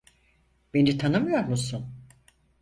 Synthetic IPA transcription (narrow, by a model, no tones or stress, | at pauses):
b̥enit̪ʰanɯmɯjoɾmusun